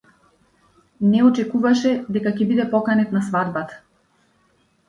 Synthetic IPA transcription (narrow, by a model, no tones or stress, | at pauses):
nɛɔt͡ʃɛkuvaʃɛd̪ɛkacɛbid̪ɛpɔkanɛt̪nasvad̪bat̪ḁ